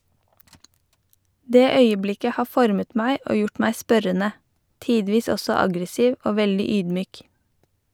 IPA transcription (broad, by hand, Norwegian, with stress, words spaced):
ˈdeː ˈœʏəˌblɪkə ˈhɑː ˈfɔɾmət ˈmæɪ ˈoː ˈjʊʈ ˈmæɪ ˈspœɾənə ˈtiːdʋiːs ˈɔsɔ ˈɑɡɾəˌsiːʋ ˈoː ˈʋɛldɪ ˈyːdˌmyːk